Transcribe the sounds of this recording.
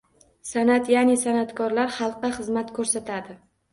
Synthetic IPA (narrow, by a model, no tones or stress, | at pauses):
sanat̪janɪsanat̪kʰɒɾlaɾχɑlˠqːɑχɨzmat̪kʰɵɾsat̪ʰad̪ɪ